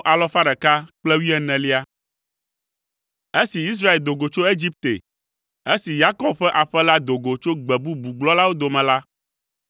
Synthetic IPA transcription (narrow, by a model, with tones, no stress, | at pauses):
ʔa˨lɔ˦fa˦ɖɛ˨ka˦k͡plɛ˦wi˦ɛ˨nɛ̃˨li˦a˦ | e˦si˨i˦s̬ɾa˦e˨ld̪o˨ɡo˨t͡ʃo˦e˦d͡ʑi˦p̚t̪ḛ˨ | e˦si˨ja˦kɔ˨b̚ɸɛ˦ʔa˨ɸɛ˦la˦d̪o˨ɡo˨t͡ʃo˦ɡ͡bɛ˨bu˦bu˨ɡ͡blɔ˦la˦wo˦d̪o˨mɛ̃˨la˦